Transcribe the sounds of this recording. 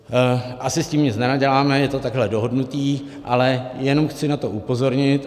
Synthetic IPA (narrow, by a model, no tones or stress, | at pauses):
ʔasɪsciːmɲɪt͡snɛnaɟɛlaːmɛjɛt̪o̞t̪aɡɦlɛdoɦo̞dnut̪iː | ʔalɛjɛno̞mxt͡sɪnat̪o̞ʔupo̞zo̞ɾɲɪt̪